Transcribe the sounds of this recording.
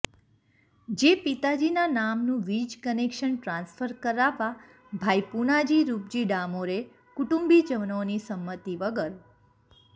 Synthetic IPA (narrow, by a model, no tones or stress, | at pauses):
d͡ʒepit̪ad͡ʒinanamnũʋid͡ʒkənekʃənʈɾãnsfəɾkəɾaʋa | bʱajpunad͡ʒiɾup̚d͡ʒiɖamoɾe | kuʈũmbid͡ʒəʋnonisəmːət̪iʋəɡəɾ